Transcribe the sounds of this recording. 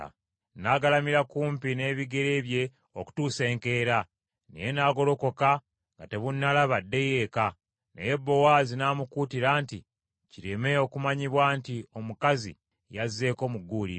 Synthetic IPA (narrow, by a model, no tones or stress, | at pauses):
naɡalamiɾakuːmpine̞ːβiɡe̞ɾe̞ːβje̞ | oku̥tuːse̞ːŋke̞ːɾa | nḭjenaːɡo̞lo̞ko̞ka | ŋɡate̞βunːalaβadːe̞je̞ka | nḛjebːo̞waːzinaːmukuːtiɾaːnti | ciɾeme̞o̞kumaɲiβwaːntio̞mukazḭ | jazːe̞ːko̞muɡːuːlḭ